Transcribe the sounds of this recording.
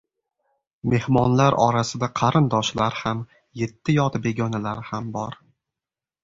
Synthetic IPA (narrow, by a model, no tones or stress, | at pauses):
me̞hmɒnlaɾʔɒ̰ɾasɪd̪aqʰɑɾɪnd̪ɒʃlaɾham | je̞t̪ʰːɪjɒt̪be̞ɡʲɒnalaɾɪhambɒɾ